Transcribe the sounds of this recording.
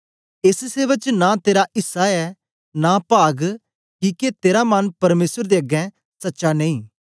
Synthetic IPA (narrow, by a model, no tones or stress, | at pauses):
ɪsseːʋək̚t͡ʃnat̪eːɾaʔɪsaɛ | napaːɡ | kiket̪eːɾamɐnpɐɾmeːsəɾd̪eːɐɡɛ̃ | sɐtːʃanẽĩː